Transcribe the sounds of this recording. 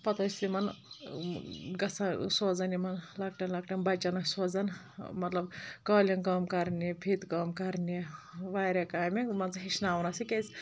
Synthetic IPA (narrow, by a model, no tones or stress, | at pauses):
pɐt̪ɐsʲt̪imɐn | ɡɐsʰasoːd͡zɐnimɐnlɐkʈɐnlɐk̚ʈɐnbɐt͡ʃːɐnɐksoːd͡zɐn | mɐt̪lɐbkɐːlʲinkɐmkɐɾnipʰit̪kɐmkɐɾniʋaːɾʲɐkaːmimɐnzɦiʃnaːʋnɐsikesʲ